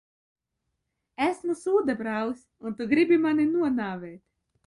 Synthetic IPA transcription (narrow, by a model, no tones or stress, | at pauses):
æsmusuːd̪abɾawsʲ | unt̪uɡɾibʲimaninuɔnaːvɛːt̪